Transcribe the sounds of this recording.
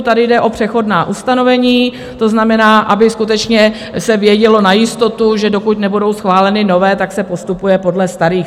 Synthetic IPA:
t̪adɪjdɛʔo̞pr̝̥ɛxo̞dnaːʔust̪ano̞vɛɲiː | t̪o̞znamɛnaːʔabɪskut̪ɛt͡ʃɲɛ | sɛvjɛɟɛlo̞najɪst̪o̞t̪uʒɛdo̞kuc̪nɛbudo̞wsxvaːlɛnɪno̞vɛːt̪aksɛpo̞st̪upujɛpo̞dlɛst̪aɾiː

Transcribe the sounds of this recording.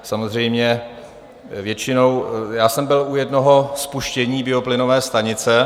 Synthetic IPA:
samozr̝ɛjmɲɛ | vjɛt͡ʃɪno̞wjaːsɛmbɪlujɛdno̞ɦo̞spuʃcɛɲiːbɪo̞plɪno̞vɛːst̪aɲɪt͡sɛ

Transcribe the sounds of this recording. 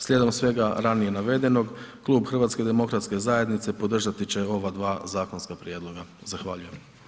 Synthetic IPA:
slʎʲe̞d̪o̞msʋe̞ɡaɾanije̞naʋe̞d̪e̞no̞ɡklˠuːbxr̩ʋat̪sked̪e̞mo̞kɾat̪ske̞zaje̞d̪nit̪se̞po̞d̪r̩ʒat̪it͡ɕe̞o̞ʋad̪ʋaːzaːko̞nskapɾje̞d̪lˠo̞ɡazaxʋaʎuje̞m

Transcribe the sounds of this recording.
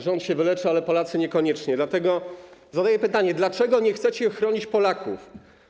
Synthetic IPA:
ʐɔnt̪ɕɛvɘlɛt͡ʂɘalɛpɔlat̪sɘɲɛkɔɲɛt͡ʂɲɛd̪lat̪ɛɡɔzad̪ajɛpɘt̪aɲɛd̪lat͡ʂɛɡɔɲɛxt̪sɛt͡ɕɛxɾɔɲit͡ɕpɔlakṵf

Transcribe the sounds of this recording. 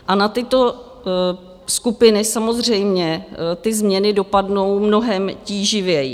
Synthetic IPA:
ʔanat̪ɪt̪o̞ | skupɪnɪsamo̞zr̝ɛjmɲɛt̪ɪzmɲɛnɪdo̞padno̞wmno̞ɦɛmciːʒɪvjɛj

